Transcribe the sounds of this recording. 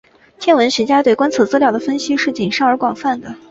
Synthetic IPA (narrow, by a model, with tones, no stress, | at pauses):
t̪ʰjɛ˥˩nwə˧˥nɕɥɛ˧˥t͡ɕja˥t̪we˥˩ɪkwa˥nt͡sʰɤ˥˧˥t͡sɹ̩˥ljɑ˥˩ʊd̪ə˩fə˥nɕi˥ʂɻ̩˥˩t͡ɕi˨˩ŋʂɑ˥˩ŋə˞˧˥kwɑ˨˩ŋfa˥˩nd̪ə˩